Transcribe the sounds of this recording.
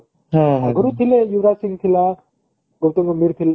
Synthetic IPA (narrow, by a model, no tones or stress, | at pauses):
ɦãɡʱəɾut̪ʰilejuwɾasiŋt̪ʰila | ɡowt̪oŋomiɾt̪ʰil